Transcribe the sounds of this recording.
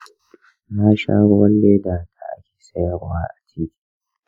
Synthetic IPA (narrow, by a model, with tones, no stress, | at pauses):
naː˦ʃa̰ː˦ɽʊ˦wɐ˦lːeː˦daː˨tʰa˨ʔa̰˦kʲe̥ː˨sɐ˦jɐ˨ɽwa̰ː˦ʔa˨t͡ʃiː˦kʲi̥˨